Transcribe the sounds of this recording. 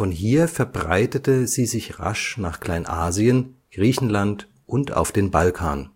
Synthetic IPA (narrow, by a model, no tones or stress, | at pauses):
fɔnɦiːɐfɛɐbʁa̰ɪtətəziːzɪçʁa̰ʃnaːχkl̥aɪnʔaːziənɡ̥ʁiːçn̩lant | ʔʊnta̰ʊfd̥eːnbalkʰa̰ːn